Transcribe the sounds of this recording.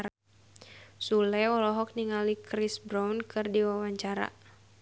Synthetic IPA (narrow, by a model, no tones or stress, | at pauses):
sulɛɔlɔɦɔk̚niŋalikɾisbɾawnkɨrdiwawaɲt͡ʃaɾa̰